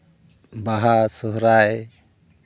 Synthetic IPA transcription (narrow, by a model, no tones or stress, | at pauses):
baɦasɔɦɾaj